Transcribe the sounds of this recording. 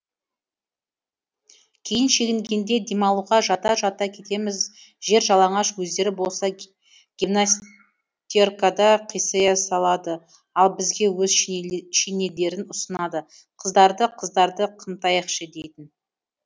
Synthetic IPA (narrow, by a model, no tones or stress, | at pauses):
kʲʰe̞jɪnʃe̞ɡʲɪŋɡʲe̞nd̪e̞d̪emɑlˠuʁɑʒɑt̪ɑʒɑt̪ɑkʲʰe̞t̪e̞mɪz | ʒe̞ɾʒɑlˠɑɴɑʃwɵzd̪e̞ɾɪbo̞lˠsɑ | ɡʲivnas | t̪ʲorkad̪ɑqʰijsəjɑsɑlˠɑd̪ə | ɑlˠbɪzɡʲe̞wɵzʃine̞le̞ɾɪnʊsənɑd̪ə | qʰəzd̪ɑɾd̪əqʰəzd̪ɑɾd̪əqʰəmt̪ɑjəqʃəd̪e̞jt̪ɪn